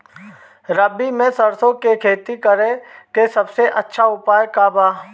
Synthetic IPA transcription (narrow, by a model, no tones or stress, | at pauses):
ɾəbimẽsɐɾsõkekʰeːt̪ikəɾẽkesɐbseʔɐtːʃʰaʊpaːjkabaː